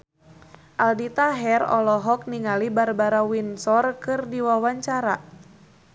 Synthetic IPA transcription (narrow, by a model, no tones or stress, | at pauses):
ʔaldit̪aɦɛrɔ̰lɔɦɔk̚niŋalibarbaɾawinsɔrkɨrdiwawaɲt͡ʃaɾa